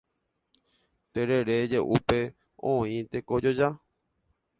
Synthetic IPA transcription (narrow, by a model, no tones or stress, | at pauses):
t̪eɾe̞ɾed͡ʒeʔupe̞ | õĩt̪ekod͡ʒod͡ʒa